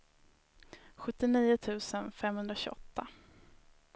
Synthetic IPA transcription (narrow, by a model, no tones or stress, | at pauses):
ɧɵt̪ːɪniːʊt̪ʰʉ̟ːsənfɛmhɵnd̪ɾaɕʉ̰ʔɔt̪ːa